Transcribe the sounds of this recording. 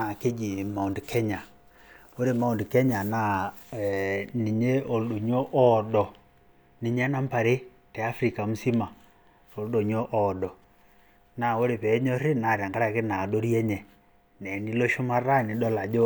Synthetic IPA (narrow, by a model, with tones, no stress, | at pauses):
a˨ke˦d͡ʒi˨ma˨ndkʰɛ˦ɲa˨ | o˦ɾe˨ma˨u˨ndkɛ˦ɲa˨na˦˨ | ni˨ɲe˦o˨ldo˨ɲo˦ʔɔ˦dɔ˨ | ni˨ɲɛ˦na˦mpa˨ɾe˦ | tɛ˨a˦fɾi˨ka˨m̩˦si˦ma˨ | ɾo˨ldo˨ɲo˦ʔɔ˨dɔ˨ | na˨o˦ɾe˨pɛ˨˦ɲɔ˦ɾi˦na˨ɾja˨ŋɡa˦ɾa˦˨ke˦na˨do˦ɾjɛ˦ɲɛ˨ | nɛ˨ni˦lo˦ʃo˦ma˦ra˦ni˨dɔ˦la˨d͡ʒo˦